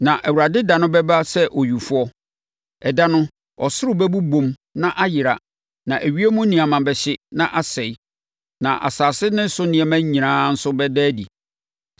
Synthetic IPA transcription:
nã˨ʔɛ˨wu˨ɾa˨dɪ˦da˨nʊ̃˦bɛ˦ba˦sɛ˦ʔɔ˨ju˨fʊ˦ɔ˦ | ɛ˨da˦nʊ̃˦ | ɔ˨sʊ˦ɾʊ˦bɛ˦bu˦bõ˨m | nã˦ʔa˦jɪ˨ɾa̰˨ | nã˨ʔæ˨ɥi˦e˦mũ˦nĩ˨a˨mã˨bɛ˨ɕɪ˦nã˨ʔa˨sɛ˨j | nã˨ʔa̰˨saː˨sɪ˦nɪ̃˦n˦sʊ˦nɪ̃˨ɛ˨mæ̃˦ɲ˦ɲĩ˨ɾãː˦n̩˦sʊ˦bɛ˦dɛ˦dḭ˨

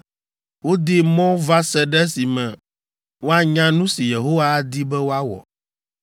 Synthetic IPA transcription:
wo˦d̪i˦mɔ̃˦va˦sɛ˦ɖɛ˦si˨mɛ̃˨ | wo˦a˨ɲã˦nũ˦si˨je˨ɦo˦wa˦d̪i˦bɛ˦wo˦a˦wɔ̰˨

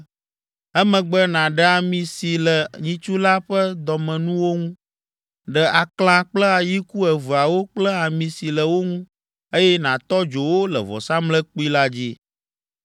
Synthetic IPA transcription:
ɛ˦mɛ̃˨ɡ͡bə˦nã˨ɖɛ˦a˨mĩ˨si˨lə˨ɲĩ˨˦t͡ʃu˦la˦ɸə˦d̪ɔ˨mɛ̃˨nũ˦wo˦ŋũ˦ | ɖɛ˨ʔa˨kl̃ã˦k͡plə˦a˨ji˦ku˦ɛ˨vu˨a˨wo˦k͡plə˦a˨mĩ˨si˨lə˨wo˦ŋũ˦ | e˦jɛ˦nã˨t̪ɔ˦d͡ʒo˨wo˦lə˨vɔ̰˨sa˦mlə˦k͡pu˦i˦la˦d͡ʑi˦

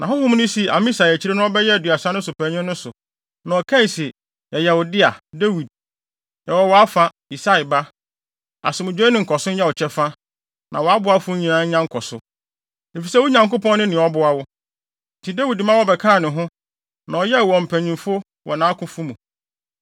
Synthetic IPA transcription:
nʔã˨ɦʊ̃˦hʊ̃˦m̃˦nʊ̃˦si˨a̰˨mĩ˦sa˨ɛ˨t͡ɕʰi˦ɾe˦nʊ̃˦ɔ˦bɛ˦jɛ˦˨dɥa˨sã˦nʊ̃˦sʊ˨pʰæ̃˨ɲɪ̃˦ʊ̃˦sʊ˨ | nã˨ɔ˨kʰã˦˨si˨ | jɛ˨jɛ˨wɔ˨dɪ˦a˨de˦wi˨d̚ | jɛ˨wɔ˨wɔ˨a˦fã˦ | i˨sa˦i˨ba˦ | a̰˨sʊ˨mʊ̃˨d͡ʑᶣe˦nɪ̃˨ŋ̩˨kʰɔ˨sʊ̃˦ɲ̩˦jɛ˦wɔ˨t͡ɕʰɛ˦fã˦ | nʔã̰˨wɔ˨a˦bʊ˨˦a˦fʊ˦ɲĩ˨nã˦ɲã˦ŋ̩˦kʰɔ˨sʊ˦ | e˨fi˨sɛ˦wʊ˦ɲã˨ŋkʊ˦pɔ̃˦nː˦ʊ̃˦nɪ̃˨ɔ˦bʊ˨a˦wʊ˦ | n̩˨tʰi˨da˦wi˨dmã˦wɔ˦bɛ˨kʰã˦˨nɪ̃˨ɦʊ̃˦ | nã˨ɔ˨jɛ˦˨wɔ̃˨m̩˨pʰæ̃˨ɲĩ˨mfʊ˦ | wʔɔ˨nãː˨˦kʰʊ̃˦fʊ˦mũ˨

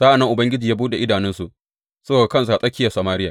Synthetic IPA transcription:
za˦ʔa˨nːɐ˦ŋʔʊ˨bɐ˦ŋɡʲɪ˦d͡ʒiː˨ja˦buː˦da˨ʔɪ˦daː˨nɪ˦nsu˨ʔ | sɐ˦boː˨a˨kɐ˦ns̬u˨ʔa˨sʼɐ˦kʲːɪ˦ja˨sa˨maː˦ɾɪ˦jaː˨

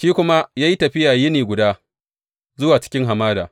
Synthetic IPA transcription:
ʃiː˦kʷʊ˦ma˦jaː˦ji˦tɐ˨ɸɪ˦jaː˨jɪ˦niː˨ɡʷʊ˨daː˦ | zʊ˦waː˨t͡ʃɪ̥˦kʲɪ˦ŋɦa˨maː˦daː˨

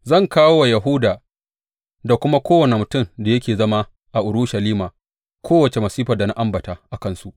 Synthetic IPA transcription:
zɐ˦˨ŋkaː˦wo˦wa˨ja˨ɦʊ˦daː˨ | da˨kʷʊ˦ma˦kʷoː˦wɐ˨ne˨mʊ˨tʊ˦˨mda˨jɐ˦kʲeː˨zɐ˦ma˦ | ʔa˨ʔʊ˨ɾʊ˦ʃa˨liː˦maː˨ | kʰʷoː˦wɐ˨t͡ʃe˨mɐ˨siː˦ɸɐ˨da˨na˦ʔa˦mbɐ˨ta˨ʔa˨kɐ˦˨nsu˦ʔ

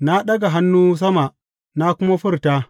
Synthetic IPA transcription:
na˦ɗɐ˦ɡa˨ɦa˦nːuː˦s̬ɐ˦ma˨ʔ | na˦kʷʊ˦ma˦ɸɪ˦rtaː˦

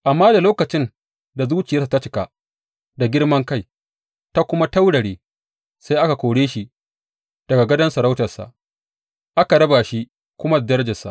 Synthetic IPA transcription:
ʔa˨mːaː˦da˨loː˦kɐ˨t͡ʃɪ˦n | da˨zuː˦t͡ʃɪ˨jɐ˦s̬a˨ta˦t͡ʃɪ˨˦ka̰˨ | da˨ɡʲɪ˦rmɐ˦ŋka˦˨j | ta˦kʷʊ˦ma˦ta˦wɽɐ˨ɽeː˨ | sa˦jʔa˦ka˨kʷoː˨ɽeː˦ʃi˦ | d̥ɐ˨ɡa˨ɡɐ˦dɐ˦nsɐ˨ɾa˦wtɐ˨sa̰˨ʔ | ʔa˦ka˨ɽɐ˦ba˨ʃi˦ | kʷʊ˦ma˦da˨dɐ˦ɾɐ˦d͡ʒɐ˨sːa̰˨ʔ

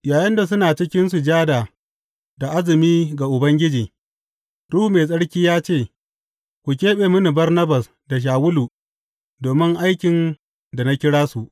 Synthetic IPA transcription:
jaː˨jɐ˦nda˨s̬ʊ˦naː˨t͡ʃɪ˦kʲɪ˦nsu˨d͡ʒaː˦daː˨ | da˨ʔa˦zɪ˨miː˦ɡa˨ʔʊ˨bɐ˦ŋɡʲɪ˦d͡ʒiː˨ | ɾuː˦hu˨meː˨s̬ʼɐ˦ɽkʲiː˦jaː˦t͡ʃeː˦˨ | kʷu˨k̬ʲeː˦ɓeː˨mʊ˦ni˨bɐ˦rnɐ˦bɐ˨s | da˨ʃ̬aː˨wʊ˦luː˨ | doː˨mɪ˦ŋʔa˦jkʲɪ˨n | da˨na˦kʲɪ˦ɽaː˦su˨ʔ

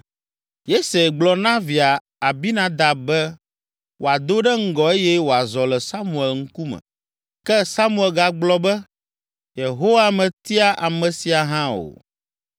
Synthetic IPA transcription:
je˦se˨ɡ͡blɔ˨nã˦vi˨a˨ | a˨bi˦nã˦d̪a˨bɛ˦ | wʔo˨a˨d̪o˦ɖɛ˦ŋ̩˦ɡɔ˨e˦jɛ˦wo˨a˨zɔ˨lɛ˨sa˦mũ˨ɛ˨lŋ̩˦ku˦mɛ̰̃˨ | kɛ˦sa˦mũ˦ɛ˨lɡa˨ɡ͡blɔ˦bɛ˦ | je˨ɦo˦wa˦mɛ̃˨t̪i˦a˦ʔa˨mɛ̃˨si˨a˨ɦã˦o̰˨

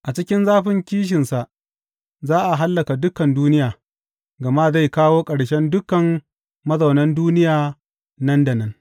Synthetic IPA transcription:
ʔa˨t͡ʃɪ˦kʲɪ˦nzaː˦ɸɪ˦ŋkʲiː˦ʃ̬ɪ˨nsa˨ʔ | zaː˦ʔa˨ɦa˦lːɐ˨ka˨dʊ˦kɐ˨nduː˦nɪ˦jaː˨ | ɡɐ˨ma˦za˦˨jkaː˦woː˦kʼɐ˨ɽʃɛ˦ndʊ˦kɐ˨mː | ɐ˦zɐ˨wnɐ˦nduː˦nɪ˦jaː˨ | nɐ˦ndɐ˨nɐ˦n

